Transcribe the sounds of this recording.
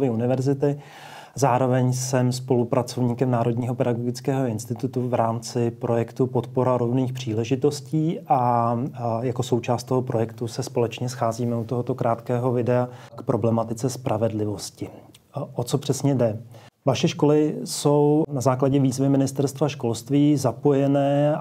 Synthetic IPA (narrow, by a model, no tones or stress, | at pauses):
vɪunɪvɛɾzɪt̪ɪ | zaːɾo̞vɛɲsɛmspo̞lupɾʔat͡so̞vɲiːkɛmnaːɾo̞dɲiːɦo̞pɛdaɡoɡɪt͡skɛːɦo̞ɪnst̪ɪt̪ut̪uvɾaːmt͡sɪpɾo̞jɛkt̪upo̞t̪po̞ɾaɾovniːxpr̝̥iːlɛʒɪt̪o̞sciːʔa | jako̞so̞wt͡ʃaːst̪t̪o̞ɦo̞pɾo̞jɛkt̪usɛspo̞lɛt͡ʃɲɛsxaːziːmɛut̪o̞ɦot̪o̞kɾʔaːt̪kɛːɦo̞vɪdɛakpɾʔo̞blɛmat̪ɪt͡sɛspɾʔavɛdlɪvo̞scɪ | ʔot͡so̞pr̝̥ɛsɲɛdɛ | vaʃɛʃko̞lɪso̞wnazaːklaɟɛviːzvɪmɪnɪst̪ɛɾst̪vaʃko̞lst̪viːzapo̞jɛnɛː